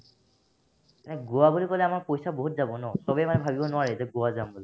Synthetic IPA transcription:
nɛɡowabulikɔlɛamaɹpojsaboɦutzabɔnɔsɔbɛmanɛbʱabibɔnʊaɹɛtɔɡowazambuli

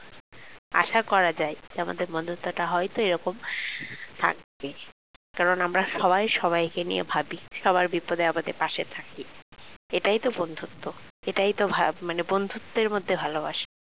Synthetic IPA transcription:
a̰ʃakɔɾad͡ʑajd͡ʑama̰d̪eɾbond̪ʱut̪ːoʈaɦɔjt̪oeɾɔkom | t̪ʰa̰k̚be | kkaɾonamɾaʃɔβajʃɔβajkenijebʱabiʃɔβaɾbipod̪ajamad̪ḛɾpaʃet̪ʰaki | eʈajt̪obond̪ʱut̪ʰːoeʈajt̪obʱamanebond̪ʱut̪ːeɾmod̪ʱːebʱaloba̰ʃḁ

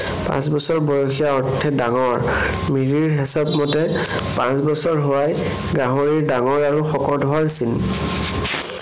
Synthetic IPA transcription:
pã̰sbɔsɔɹbɔjɔxijaɔɹtʰɛdaŋɔɹ | miɹiɹɦɛsɔpmɔtɛ | pãsbɔsɔɹɦowaj | ɡãɦoɹiɹdaŋɔɹaɹuxɔkɔdʱɔwaɹsin

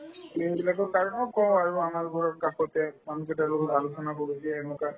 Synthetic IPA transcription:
ejbilakɔkaɹɔnɔkʰɔ̃waɹuamalupɔɹɔɹkaxɔtɛmanukɛtɛloɡɔtalusʰɔnakoɹisiɛɛnɔka

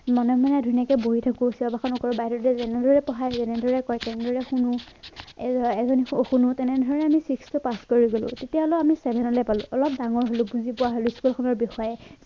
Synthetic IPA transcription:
mɔnɛmɔnadʱunijakɛboɦitʰakusiɔbʱaxʰɔnɔkɔɹɔbaɦiɾɔɛzɛnɛdɔɹɛpɔɦajzɛnɛdʱɔɹɛkɔjtɛnɛdʱɔɹɛxunu | ɛzɔnxunutɛnɛdʱɔɹɔɹɛamisikstupaskoɹiɡolʊ̰̃tetiaɔlʊamisɛbʱɛnɔlɛpalʊ̰̃ʔɔlɔp̚daŋɔɹɦolʊbuzipʊwaɦolʊskulkʰɔnɔɹbixɔjɛ

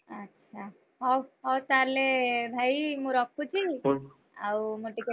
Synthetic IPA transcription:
ətːʃʰa | ɦɔwɦɔwt̪aɾlebʱajimũɾɔk̚ʰːut͡ʃʰi | a̰wmuʈike

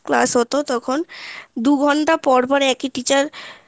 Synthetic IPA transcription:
kla̰sɦot̪ot̪ɔkʰond̪uɡʱɔɳʈapɔɾpɔɾeɛkiʈit͡ɕaɾ

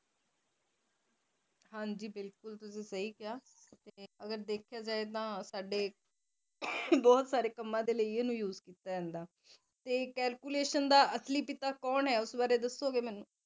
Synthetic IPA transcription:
hãːɲd͡ʒiːbɪlkʊlt̪ʊsĩːsəɦiːkɪaː | t̪eːəɡəɾd̪eːkʰɪjaːd͡ʒaːeːt̪ãːsaːɖeː | bɔːt̪saːɾeːkəmːãːd̪eːləiːoːnũːjuːzkiːt̪aːd͡ʒɛ̃ːnd̪aː | t̪eːkɛːlkuːleːʃənd̪aːʔəsliːpɪt̪aːkɔːnɦɛːʊsbaːɾeːd̪əsːoːɡeːmɛːnũː

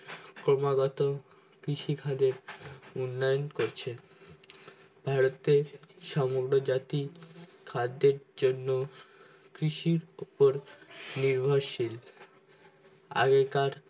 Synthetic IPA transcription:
kɾomaɡɔt̪o | kɾiʃikʰad̪eɾunːajonkoɾt͡ɕʰe | b̥ʱaɾot̪eʃamoɡɾod͡ʑat̪ikʰad̪eɾd͡ʑonːo | kɾiʃiɾupoɾniɾbʱoɾʃil | a̰ɡekaɾ

